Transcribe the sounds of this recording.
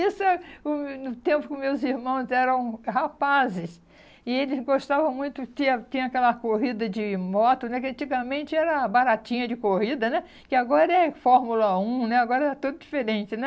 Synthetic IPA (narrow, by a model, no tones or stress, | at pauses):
isʊɛʊnʊt̪ẽmpʊkʊmewziɾmɐ̃w̃zɛɾɐ̃w̃hapazɪs | ɪelɪzɡoʃt̪avɐ̃w̃mũj̃t̪ʊt͡ʃ̪ĩɐt͡ʃ̪ĩɲɐ̃akɛlɐkoɦid̪ɐd͡ʒɪmɔt̪ʊnɛkɪɐ̃nt͡ʃiɡɐmẽnt͡ʃɪɛɾɐbaɾat͡ʃĩɲɐd͡ʒɪkohid̪ɐnɛ | kɪaɡɔɾɐɛfɔɾmulɐũnɛaɡɔɾɐɛɾɐt̪ud̪ʊd͡ʒifeɾẽnt͡ʃɪnɛ